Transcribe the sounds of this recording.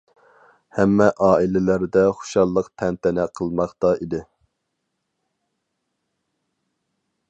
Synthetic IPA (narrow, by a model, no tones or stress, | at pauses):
hɛmːɛʔɑːilɪlæɾd̪ɛχoʊ̥ʃɑlˠːəqt̪ʰɛnt̪ʰɛnɛqʰəlˠmɑχt̪ɑid̪ɪ